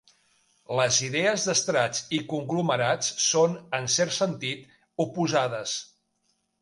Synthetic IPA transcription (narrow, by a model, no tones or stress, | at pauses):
ləziðeəzðəst̪ɾat͡sikuŋɡluməɾat͡ssonənsɛɾsənt̪it̪ | upuzaðəs